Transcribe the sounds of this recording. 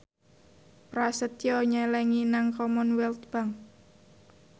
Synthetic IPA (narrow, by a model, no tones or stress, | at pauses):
pɾasət̪jɔɲɛlɛŋinaŋkɔmɔnwɛlt̪̚b̥aŋ